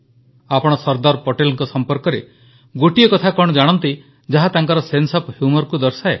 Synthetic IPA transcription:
apɔɽ̃ɔsɔɾd̪ɔɾpɔʈelɔŋkɔsɔmpɔɾkɔɾe | ɡoʈijɔkɔt̪ʰakɔɽ̃ɔd͡ʒaɽ̃ɔnt̪i | d͡ʒaɦat̪aŋkɔɾɔsensɔphjumɔɾkud̪ɔɾsae

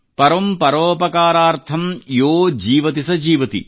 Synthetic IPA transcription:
pɐɾɐmpɐɾoːpɐkaːɾaːɾt̪ʰɐmjoːd͡ʒiːʋɐt̪isɐd͡ʒiːʋɐt̪ḭ

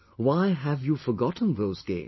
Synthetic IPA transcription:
waɪɦævjufəɡɑtn̩ðoʊzɡḛ̃ɪ̃

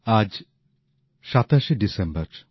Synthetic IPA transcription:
ad͡ʑ | ʃat̪aʃeɖisembəɾ

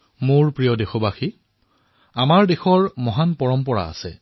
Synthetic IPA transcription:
mʊɹpɹijɔdexɔbaxi | amaɹdexɔɹmɔɦanpɔɹɔmpɔɹa̰a̰sɛ

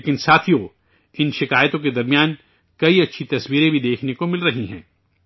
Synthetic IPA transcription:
kɪnsaːt̪ʰijo | ɪnʃɪkaːjt̪õk̬ed̪ɐɾmijaːn | kɐiɐtːʃʰit̪ɐswiːɾẽbʱid̪eːkʰnekomɪlɾɐɦiɦɛ̰̃ː

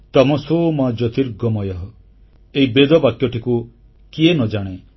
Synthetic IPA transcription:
t̪ɔmɔsoːmɔd͡ʒɔt̪iɾɡɔmɔjɔɦɔ | eibed̪ɔbakjɔʈiku | kienɔd͡ʒaɽ̃e

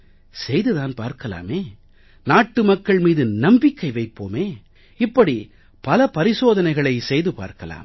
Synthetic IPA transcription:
sɛjðɯðaːnpa̰ːɾkɐla̰ːmeː | naːʈːɯmɐkːɐɭmiːðɯnɐmbɪkːɐɪʋɐɪpːoːmeː | ɪpːɐɽi | pɐlɐpɐɾɪsoːðɐnɐɪɣɐɭɐɪsɛjðɯpa̰ːɾkɐla̰ːm

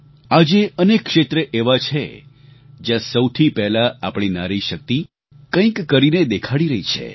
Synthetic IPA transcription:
ad͡ʒeʔənekːʃet̪ɾəʔeʋat͡ʃʰe | d͡ʒjãsəwt̪ʰipɛɦlaapɳ̃inaɾiʃək̚t̪i | kə̃ĩkːəɾined̪ekʰaɽiɾəɦit͡ʃʰḛ

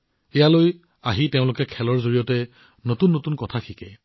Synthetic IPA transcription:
ɛjaloj | aɦiteʊ̃lʊkɛkʰɛlɔɹzoɹijɔtɛ | notunːotunkɔtʰakʰikɛ̰

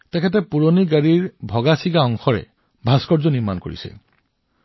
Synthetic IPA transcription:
tɛkʰɛt̬ɛpuɹoniɡaɹiɹbʱɔɡasiɡaɔŋxɔɹɛ̰ | bʱaskɔɹzɔniɹma̰nko̰ɹḭsɛ̰

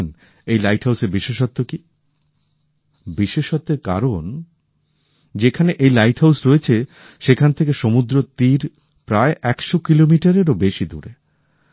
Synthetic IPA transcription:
n | ejlajʈhɦawseɾbiʃeʃɔt̪ːoki | biʃeʃot̪ːeɾka̰ɾon | d͡ʑekʰaneʔejlajʈhawsɾoet͡ɕʰe | ʃekʰant̪ʰekeʃomud̪ɾot̪iɾ | pɾaeʔɛkʃokilomiʈaɾeɾobeʃid̪ṵɾe

